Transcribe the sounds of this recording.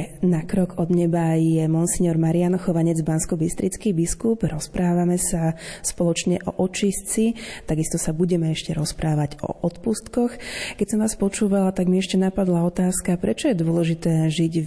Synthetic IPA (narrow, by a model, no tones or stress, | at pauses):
nakɾɔɡʰɔd̪ɲɛbajɛmɔnsiɲɔɾmaɾianxɔʋaɲɛd͡zbanskɔbist̪ɾit͡skibiskubɾɔspɾaːʋamɛsaspɔlɔt͡ʃɲɛʔɔʔɔt͡ʃist͡sit̪aɡist̪ɔsabuɟɛmɛɛʃcɛɾɔspɾʔaːʋaɟɔ̰ʔɔt̪pust̪kɔxkɛcsɔmʋaːspɔt͡ʃuːʋalat̪aɡmiɛʃcɛnapad̪laɔt̪aːskapɾɛt͡ʃɔjɛd̪ʊɔlɛʒit̪ɛːʒiɟ